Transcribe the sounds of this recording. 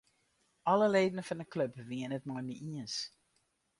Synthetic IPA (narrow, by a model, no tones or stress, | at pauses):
ʔɑləleːdənəfɑndəklɵpʋiənətmɔjniiəns